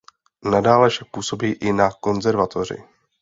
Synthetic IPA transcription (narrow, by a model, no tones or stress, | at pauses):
nadaːlɛfʃak̚puːso̞biːʔɪnako̞nzɛɾvat̪ʰo̞r̝ɪ̰